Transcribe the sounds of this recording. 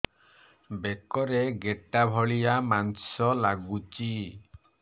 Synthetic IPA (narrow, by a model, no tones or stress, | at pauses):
bekɔɾeɡeʈabʱɔɭijamansɔlaɡut͡ʃi